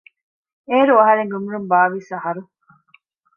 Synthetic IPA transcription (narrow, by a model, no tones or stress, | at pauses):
eːɾuɐɦɐɾeŋɡumuɾumbaːʋisɐɦɐɾu